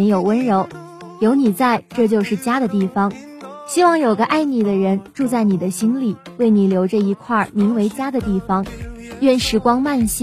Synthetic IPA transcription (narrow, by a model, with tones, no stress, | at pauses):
njo˨˩ʊwə˥nɻo˧˥ʊ | jo˧˥ʊni˨˩t͡sa˥˧ɪʈ͡ʂɤ˥˧t͡ɕjo˥˧ʊʂɻ̩˥˩t͡ɕja˥d̪ə˨t̪i˥˩fɑ˧˩ŋ | ɕi˥wɑ˥˩ŋjo˨˩ʊɡə˧˦ʔa˥˩ɪni˨˩d̪ə˦ɻə˧˥nʈ͡ʂu˥˧t͡sa˥˩ɪni˨˩d̪ə˦ɕi˥nli˨˩˦we˥˩ɪni˨˩ljo˧˥ʊʈ͡ʂɤ˥˧i˧˥kʰwa˥˩mi˧˥ŋwe˧˥ɪt͡ɕja˥d̪ə˨t̪i˥˩fɑ˩ŋɥɛ˥˩nʂɻ̩˧˥˩kwɑ˥ŋma˥˩nɕ